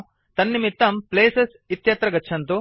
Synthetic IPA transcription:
t̪ɐnːimit̪ːɐmpleːsɐs | it̪jɐt̪ɾɐɡɐːʃʰɐnt̪u

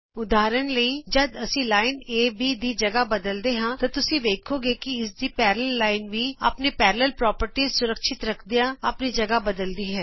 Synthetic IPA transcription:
ʊd̪aːɾənləid͡ʒɐd̪ɐsĩlaːɪneːbʱid̪id͡ʒɐɡabɐd̪əld̪eɦãt̪at̪ʊsĩʋ̪eːkʰoɡekiɪs̬d̪ipɛːɾləlːaːɪnbʱiɐ̰pnepɛːɾləlpɾɔːpəɾʈisʊɾəkʃɪt̪ɾɐkʰd̪ijaɐpnid͡ʒɐɡabɐd̪əld̪iɦɛː

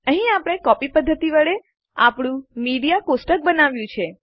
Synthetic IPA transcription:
əɦĩapəɽ̃ekɔpipəd̪ʱːət̪iʋəɭe | apɽũmiɽijakosʈək̚bənaʋjũt͡ʃʰe

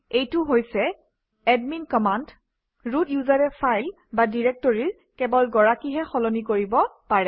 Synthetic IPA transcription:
ejtʊɦojsɛ | ɛdminkɔmand | ɹudjuzaɹɛpʰajl | badiɹɛk̚tɔɹiɹ | kɛbɔlɡɔɹakiɦɛxɔlɔnikoɹibɔpaɹɛ

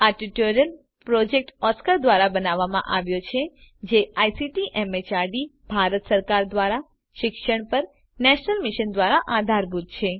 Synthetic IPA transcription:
aɾʈiʈoɾijəl | pɾod͡ʒek̚ʈɔskəɾd̪ʋaɾabənaʋːamã̰ʔaʋjot͡ʃʰed͡ʒeajsiʈiʔɛmet͡ʃaɾɖibʱaɾət̪səɾkaɾd̪ʋaɾa | ʃɪkʃəɳ̃pəɾ | nɛʃnəlmɪʃənd̪ʋaɾaʔad̪ʱaɾbʱud̪̚t͡ʃʰe

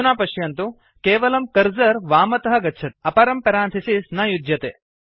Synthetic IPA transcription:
unaːpɐʃjɐnt̪u | keːʋɐlɐmkɐɾzɐɾʋaːmɐt̪ɐɦɐ̆ɡɐtːʃʰɐʈ̪̚ɐpɐɾɐmpɐɾaːnt̪ʰɐsisnɐjud̪jɐt̪eː

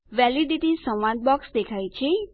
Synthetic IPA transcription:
ʋɛliɖiʈisə̃mʋãd̪̚bɔksd̪ekʰajt͡ʃʰe

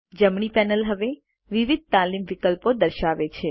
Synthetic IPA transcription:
d͡ʒəmɳ̃ipɛnəlɦəʋe | ʋiʋid̪̚t̪alimʋɪkəlpod̪əɾʃaʋet͡ʃʰe

